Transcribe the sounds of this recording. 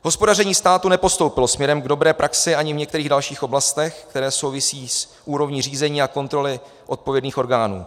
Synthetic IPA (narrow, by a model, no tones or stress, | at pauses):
ɦo̞spo̞darɛɲiːst̪aːt̪unɛpo̞st̪o̞wpɪlo̞smɲɛɾɛmɡdo̞bɾɛːpɾʔaksɪʔaɲɪvɲɛk̚t̪ɛɾiːɣdalʃiːxʔo̞blast̪ɛxkt̪ɛɾɛːso̞wvɪsiːs | ʔuːɾo̞vɲiːr̝iːzɛɲiːako̞nt̪ɾo̞lɪ | ʔo̞t̪̚povjɛdniːxʔo̞ɾɡaːnṵː